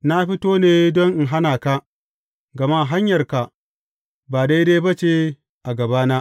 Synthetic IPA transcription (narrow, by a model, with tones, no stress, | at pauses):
na˦ɸi˦toː˦neː˨dɔ˦ŋʔɪ˨ŋɦa˦naː˨ka˦ | ɡɐ˨ma˦ʔɦa˦ɲjɐ˨rka˨ʔ | baː˨da˦jda˦jbɐ˦t͡ʃe˨ | ʔa˨ɡɐ˨baː˦naː˦ʔ